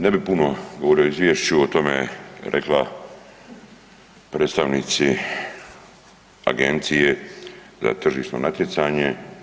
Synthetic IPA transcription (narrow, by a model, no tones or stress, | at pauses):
ne̞bipunoɡoʋo̞ɾijo̞izʋjeːʃt͡ɕuot̪o̞meɾʔḛkla | pɾeːt̪st̪aʋnit̪si | a̰ɡe̞nt̪sije̞ | za̰t̪r̩ʒiʃno̞̰nat̪je̞t̪saːɲe̞